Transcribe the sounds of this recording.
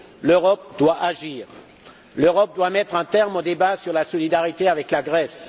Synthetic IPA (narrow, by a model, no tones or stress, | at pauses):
løʁɔp̚d̪waʔaʒiːʁ | løʁɔp̚d̪wamɛt̪χɛ̃t̪ɛʁmod̪ebasyʁlasɔlid̪aʁit̪eavɛklaɡʁɛs